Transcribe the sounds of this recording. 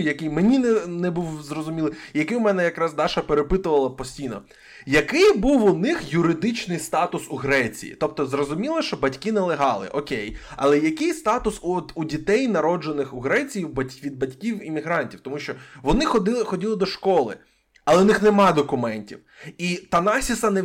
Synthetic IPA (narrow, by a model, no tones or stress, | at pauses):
jɐkɪjmenʲinɛnɛbuwzrɔzʊmʲilˠɪjɐkɪʊmɛnɛjɐkɾɑzd̪ɑʃɐpeɾepɪt̪ʊʋɐlˠɐpɔsʲtʲijnɔ | jɐkɪjbuwʊnɪxjʊɾɪd̪ɪt͡ʃnɪjst̪ɑt̪ʊsuɦɾɛt͡sʲḭjḭt̪ɔp̚t̪ɔzrɔzʊmʲilˠɐʃt͡ʃɔbɐtʲkɪnɛlˠɪɦɑlˠɪ̰ʔɔkʲejɐ̰lˠɛjɐkɪjst̪ɑt̪ʊsuɔt̪udʲit̪ɛjnɐɾɔd͡ʒenɪxʊɦɾɛt͡sʲijibɐtʲʋʲid̪̚bɐtʲkʲiwimʲiɦɾɑnʲtʲiwt̪ɔmuʃt͡ʃɔʋɔnɪxɔd̪ɪlˠxɔdʲilˠɪd̪ɔʃkɔlˠɪ̰ | ɐlˠɛʊnɪxnɛmɑd̪ɔkʊmɛnʲtʲiw | it̪ɐnɑsʲisɐnɛ